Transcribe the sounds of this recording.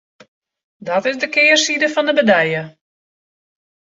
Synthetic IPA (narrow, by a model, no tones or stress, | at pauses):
dɔtɪzdəkɪːrsidəfɔndəbədɛjə